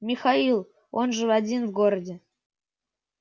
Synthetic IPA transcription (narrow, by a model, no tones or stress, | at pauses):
mʲɪxailˠ | o̞nʐɨvɐdʲinvɡoɾədʲɪ